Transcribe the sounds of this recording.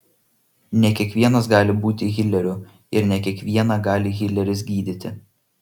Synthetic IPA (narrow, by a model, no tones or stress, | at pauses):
nʲɛkʲiɛkʋʲiɛnɐsɡɑːlʲɪbuːt̪ʲɪɣʲɪlʲɛɾʲʊ | ɪɾnʲɛkʲiɛkʋʲiɛnɑɡɑːlʲɪɣʲɪlʲɛɾʲɪs̬ɡʲiːd̪ʲɪt̪ʲɪ